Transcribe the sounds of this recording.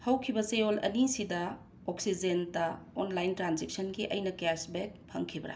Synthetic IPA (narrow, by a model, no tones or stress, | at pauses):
hɐwkʰibɐseolɐ̰nisidɐ | oksid͡ʒentɐonlajntɾanzek̚sɐnɡiʔɐ̰jnɐkesbek̚pʰɐŋkʰibɐɾa̰